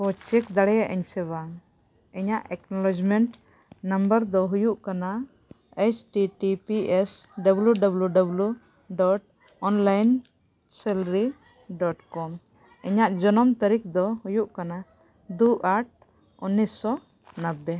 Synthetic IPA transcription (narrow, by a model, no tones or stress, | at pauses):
kɔt͡ʃɛkd̪aɽɛjaʔɛɲsɛβa | ɛɲaʔɛknɔlɔd͡ʒmɛɳʈ | nambəɾd̪ɔɦujuʔkana | et͡ʃʈiʈipiʔɛsɖəbuljuɖabljuɖablu | ɖɔʈ̚ | ɔnlajn | sɛlɾi | ɖɔʈkɔm | ɛɲaʔd͡ʒɔnɔmt̪əɾik̚d̪ɔhujuʔkana | d̪uʔaʈ̚ | unːisːɔ | nəbɛ